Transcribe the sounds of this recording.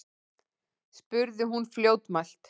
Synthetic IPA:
spʏɾðɪɦunfljoːwt̪mal̥t̪

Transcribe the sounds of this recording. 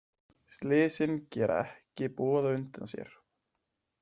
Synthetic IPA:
st̪lɪːsɪncɛːɾʔa̰ɛhcɪpɔːðaʏnt̪ansjɛ̰ɾ̥

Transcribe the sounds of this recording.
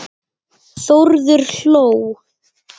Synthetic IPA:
θoɾðʏɾ̥ɬoːw

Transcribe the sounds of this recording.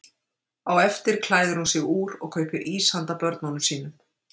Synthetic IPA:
awɛft̪ɪɾ̥kʰlaːjðʏɾhunsɪɣuːɾɔɣkʰœːɥpʏɾʔiːshant̪apœɾt̪nanʏmsiːnʏm

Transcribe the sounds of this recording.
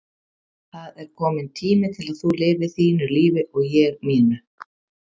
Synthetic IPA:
θaðɛɾ̥kʰɔːmɪnt̪ʰiːmɪt̪ʰɪlaðθulɪːvɪ̥θiːnʏɾliːvɪʔɔɣjɛɣmiːnʏ

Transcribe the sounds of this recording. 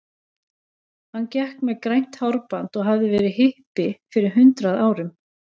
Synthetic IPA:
hanːcɛhkmɛðkɾajn̥t̪hawɾpant̪ɔɣɦavðɪvɛːɾɪhɪhpɪfɪɾɪɾ̥ɦʏnt̪ɾaðaːwɾʏm

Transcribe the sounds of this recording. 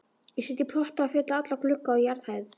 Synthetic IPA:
jɛsɛt̪ɪpʰɔht̪aafɪt̪laat̪laklʏkːaɔjaɾð̥hajð̥

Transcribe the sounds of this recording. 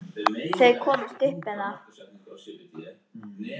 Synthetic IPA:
sθejkʰɔːmst̪ɪhpɛnaɾ

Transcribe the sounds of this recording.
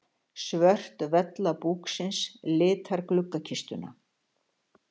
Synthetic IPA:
svœr̥t̪vɛt̪lapuːksɪnslɪːt̪ʰaɾklʏkːacʰist̪ʏna̰

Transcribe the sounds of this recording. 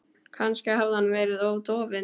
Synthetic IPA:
kʰanscɪɦavðhanːvɛːɾɪðoːwt̪ɔːvɪ

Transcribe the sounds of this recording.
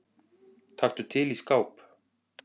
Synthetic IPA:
t̪ʰaxt̪ʏt̪ʰɪliskaːwp

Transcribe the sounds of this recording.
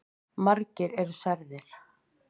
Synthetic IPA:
maɾcɪɾɛɾsaɾðɪɾ̥

